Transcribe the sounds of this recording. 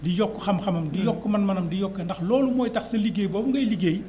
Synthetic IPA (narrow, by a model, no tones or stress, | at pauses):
dijɔkːəxɐmxɐmɐmdijɔkːumɐnmɐnɐmdijɔkːɐndɐxlɔːlumɔːjtɐxsɐliɡejbɔːbuŋɡɐjliɡej